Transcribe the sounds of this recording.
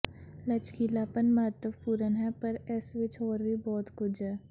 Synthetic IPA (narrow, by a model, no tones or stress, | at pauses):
lət͡ʃkilaːpənməɦət̪ːəfpuːɾənɦɛpəɾɛsʋɪt͡ʃɦoːɾbʱibɔːt̪kʊd͡ʒɦɛː